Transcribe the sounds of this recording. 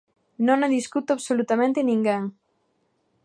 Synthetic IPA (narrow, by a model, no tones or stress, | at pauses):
nõŋmeðiskut̪oaβsolut̪amẽnt̪ɪnĩŋɡeŋ